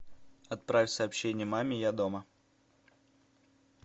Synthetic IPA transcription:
ɐt̪̚pɾafʲsɐːpɕːenʲɪjəmamʲɪjad̪omə

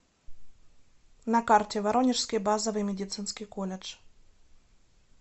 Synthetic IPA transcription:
nɐkartʲɛvaɾɔnʲɪʂskʲijbazɐvɨjmʲɛdʲɪt̪sɨnskʲijkɔlʲɛt͡ʂ

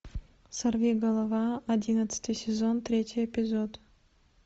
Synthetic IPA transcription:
sɐrvʲiɡəlˠɐvɑɐdʲinɐt̪sɨ̥t̪ɨjsʲezont̪ɾʲetʲɪjɛpʲɪzot̪

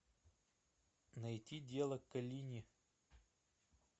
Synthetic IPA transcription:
nɐjtʲidʲelˠəkːɐlʲinʲɪ

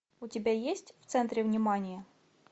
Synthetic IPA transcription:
ʊtʲɪbʲajesʲtʲft̪sɛnt̪ɾʲɪvnʲimanʲɪjɐ

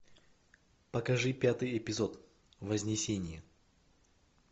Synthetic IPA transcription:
pəkɐʐɨpʲat̪ɨjɛpʲɪzot̪ | vəzʲnʲɪsʲenʲɪjə

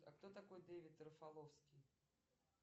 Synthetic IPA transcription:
ɐ̰kt̪ot̪akojd̪ɛvʲɪt̪ɾəfalˠofskʲij

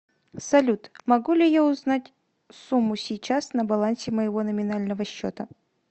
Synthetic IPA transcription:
sɐlʲut̪mɐɡulʲɪjaʊznatʲ | sumːʊsʲɪjt͡ɕasnəbɐlˠansʲɪməjɪvo̞nəmʲɪnalʲnəvəɕːo̰t̪ə

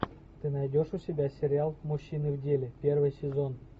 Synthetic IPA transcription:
t̪ɨnajdʲoʂusʲɪbʲasʲeɾʲɪalˠmuɕːinɨvdʲelʲɪpʲervɨjsʲɪzon

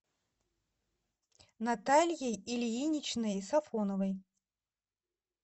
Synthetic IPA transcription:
nat̪alʲjejilʲinʲit͡ɕnɨjsafɔnɔvɐj

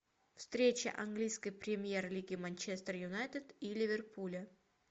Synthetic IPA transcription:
fst̪ɾʲet͡ɕə̰ʔɐnɡlʲijskəjpɾʲɪmʲjerlʲiɡʲɪmɐnʲt͡ɕest̪rjʊnajt̪ʲət̪ilʲɪvʲerpʰulʲə

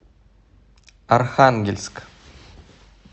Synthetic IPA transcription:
arχaŋɡʲelʲsʲk

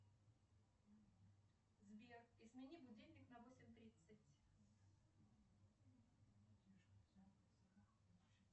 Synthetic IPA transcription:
zbʲerɪsmʲɪnʲibʊdʲelʲnʲɪknɐvosʲɪmʲt̪ɾʲit̪sɨt̪ʲ

